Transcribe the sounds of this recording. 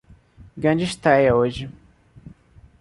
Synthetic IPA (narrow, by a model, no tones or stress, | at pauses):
ɡɾɐ̃d͡ʒɪʃt̪ɾɛjɐoʒɪ